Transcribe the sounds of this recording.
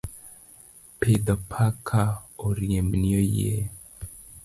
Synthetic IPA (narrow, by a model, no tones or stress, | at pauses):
ped̪ɔpʰakʰaoɾieminiojḛ